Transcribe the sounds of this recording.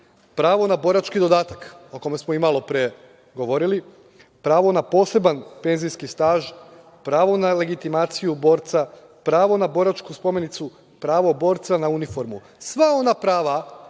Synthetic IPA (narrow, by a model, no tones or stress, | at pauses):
pɾaːʋo̞nabo̞ɾat͡ʃkid̪o̞d̪aːt̪ako̞ko̞mesmoimalˠo̞pɾe | ɡo̞ʋo̞ɾili | pɾaːʋo̞napo̞ːse̞banpe̞nzijskist̪aːʒ | pɾaːʋo̞nale̞ɡit̪imaːt̪sijubo̞ːɾt̪sa | pɾaːʋo̞nabo̞ɾat͡ʃkuspo̞me̞nit̪su | pɾaːʋo̞bo̞ːɾt̪sanaunifo̞ɾmu | sʋao̞napɾaːʋa